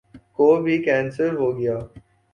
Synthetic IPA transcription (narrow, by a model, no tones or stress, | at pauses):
koːbʱikɛ̃ːnsəɾɦoːɡɐjaː